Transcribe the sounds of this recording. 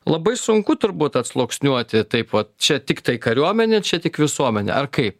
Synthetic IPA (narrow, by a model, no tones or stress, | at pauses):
lˠɐbɐɪsʊŋkʊt̪ʊɾbuːt̪ɐt̪slˠoːksʲnʲuɔt̪ʲɪt̪ɐɪpʋɐt̪̚t͡ʃʲɛt̪ʲɪkt̪ɐɪkɐɾʲuɔmʲɛnʲeːt͡ʃʲɛt̪ʲɪkʋʲɪsuɔmʲɛnʲḛʔɐrkɐɪp